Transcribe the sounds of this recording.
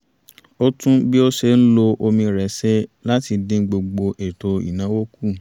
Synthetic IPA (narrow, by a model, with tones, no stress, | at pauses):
o˦tũ˦bi˦o˦ʃe˧˦n̩˦lo˧ʔo˧mĩ˧ɾɛ˨sɛ˦la˦ti˧dĩ˦ɡ͡bo˧ɡ͡bo˧ʔe˨to˧ḭ˨nã˨˦wo˦ku˦˨